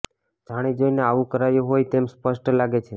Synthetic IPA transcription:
d͡ʒʱaɽ̃id͡ʒojneaʋũkəɾajũɦojt̪emspəʃʈlaɡet͡ʃʰe

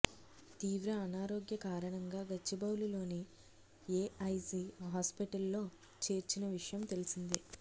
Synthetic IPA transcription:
t̪iːʋɾɐːnaːɾo̞ːɡjɐkaːɾɐɳɐŋɡaːɡɐt͡ʃːibɐwlilo̞ːni | eːɐjsiɦaːspiʈɐlːo̞ː | t͡ʃe̞ːɾt͡ʃinɐʋiʂɐjɐmt̪e̞lisind̪i

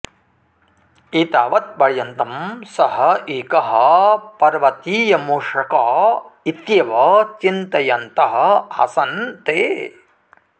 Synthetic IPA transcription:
iːt̪aːʋɐt̪̚bɐɭjɐnt̪ɐmsɐɦɐeːkɐɦɐ̆pɐɾʋɐt̪iːjɐmuːʂɐkaːit̪jɐʋɐt͡ʃint̪ɐjɐnt̪ɐɦɐ̆ɐ̰sɐnt̪eː

